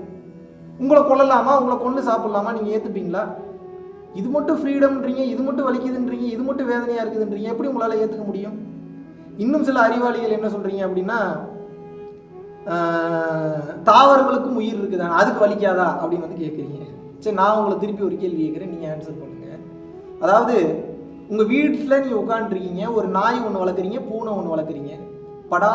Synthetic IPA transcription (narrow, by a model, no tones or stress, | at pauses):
ʊŋɡɐɭɐkɔɭːɐlaːmaːʊŋɡɐɭɐkɔɳɖɯsaːpɪɽɐlaːmaːniːŋɡɐeːt̪ːɯp̬ːiːŋɡɐɭaː | ɪðɯmɐʈːɯ̃fɾiːɽɐmɪndriːŋɡɐɪðɯmpɐʈːɯ̃ʋɐɭɪkʲːɐðɯɪndriːŋɡɐɪðɯmɐʈːɯ̃ʋeːðɐnɐjaːɪɾɯkːɐðɯɪndriːŋɡɐɛpːɐɽiʊŋɡɐɭaːlɐeːt̪ːɯkːɐmʊɽɪjɯm | ɪnːɯmsɪlɐɐɾɪʋaːlɪɣɐɭɛnːɐsɔlrɾiːŋɡɐɐpːɐɽɪnːaː | t̪aːʋɐɾɐŋɡɐɭɯkːɯmʊjɪɾɪɾɯkːɯðãːɐðɯkːɯʋɐɭɪkːaːðãːʔɐpːɐɽɪnːʋɐnd̪ɯk̬eːʈ̚kɪɾiːŋɡɐ | t͡ʃːɐnãːʊŋɡɐɭɐt̪ɪɾɯp̬ːiɔɾɯkeːlkeːʈkːɪɾẽːniːŋɡɐnsɐɾpoːʈːiŋɡɐ | ɐðaːʋɐðɯ | ʊŋɡɐʋiːʈːɯt̪ːlɐnĩŋɡɐʊkːaːɳɖɪɾɯkːiːŋɡɐɔɾɯnaːjɐɔɳːɯʋɐɭɐɾkːɯɾiːŋɡɐpuːɳɐ̃ɔnːɯʋɐɭɐɾkːɯɾiːŋɡɐ | pɐɽaː